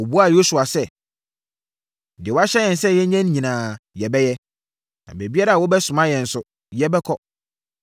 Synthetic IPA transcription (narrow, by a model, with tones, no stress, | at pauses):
o˨bu˦a˨jo˦su˨a˨sɛ˦˨ | dɪ˨wɔ˦a˦ɕɛ˦jɛ̃˨n̩˨sɛ˦jɛ˦ɲɛ̃˦n˦ɲĩ˨nãː˨jɛ˨bɛ˦jɛ˦ | nã̰˨be˨bi˦a˦ɾa˨a˨wɔ˦bɛ˦sʊ̃˨mã˦jɛ̃˨n̩˨sʊ˦ | jɛ˦bɛ˦kʰɔ˦